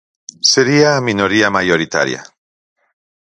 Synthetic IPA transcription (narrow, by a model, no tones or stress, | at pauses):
seɾiaminoɾiamajoɾit̪a̰ɾj̰a̰